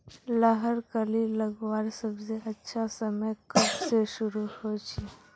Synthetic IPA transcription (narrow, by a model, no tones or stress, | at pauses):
ləɦəɾkəliləɡwaːɾsəbseɐtːʃʰasəməjkɐbseʃʊɾuhot͡ʃʰi